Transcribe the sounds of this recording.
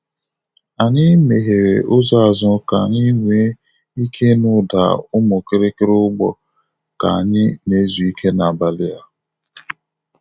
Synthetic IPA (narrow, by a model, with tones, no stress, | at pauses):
a˨ɲɪ˦me˨ɦe˨ɾe˨ʔʊ˦za˦a˨zʊ˦ka˨ɲi˦ŋʷe˨˦ | i˦kʰe˦nʊ˦da̰˨ʊ˦mʊ˨ke˦ɾe˦kɪ˦ɾɪ˦ʊ˦ɡ͡bɔ̰˦ | ka̰˨a˨ɲɪ˦ne˨˦zu˨i˦kʰe˦na˨a˨ba˨lɪ˦a˦